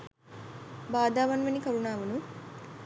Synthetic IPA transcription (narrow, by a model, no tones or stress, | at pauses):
baːd̪aːʋanʋenikɐɾunaːʋunun